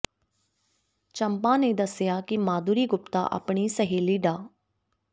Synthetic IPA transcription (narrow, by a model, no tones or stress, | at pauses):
t͡ʃəmpãːneːd̪əsɪjaːkɪmaːd̪uːɾiːɡʊpt̪a̰ːʔə̰pɳiːsəɦeːliːɖaː